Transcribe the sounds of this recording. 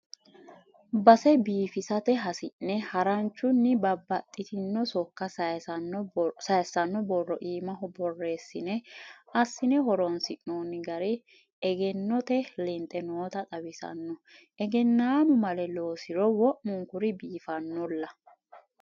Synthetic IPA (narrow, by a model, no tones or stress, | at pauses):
bɐsɛbiːfɪsɐt̪ɛɦɐsɪʔːɛhɐɾɐnt͡ʃːʊnːɪbɐbːɐt̪ʼːɪt̪ɪnːɔsɔkːɐsɐɐnsɐjsːɐnːɔbɔrːɔʔiːmɐɦɔbɔrːe̞ːsːɪnɛɐsːɪnɛɦɔɾɔnsɪʔnoːnːɪɡɐɾɛ | ɛɡɛnːɔt̪ɛlɪnt̪ʼːɛnoːt̪ɐt̪ʼɐwɪsɐ̰nːɔ | ɛɡɛnːaːmʊmɐlɛlo̞ːsɪɾɔwɔʔmʊŋkʊɾɪbiːfɐnːɔlːɐ